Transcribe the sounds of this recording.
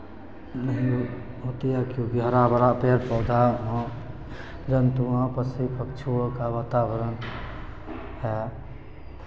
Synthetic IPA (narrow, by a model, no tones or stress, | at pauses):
nəɦĩ | ɦot̪ijakjõkiɦəɾabəɾapeɾpɔd̪aɦɔ̃ | d͡ʒənt̪uãpəsipʰəkt͡ʃʰuokaʋat̪abəɾən | ɦɛ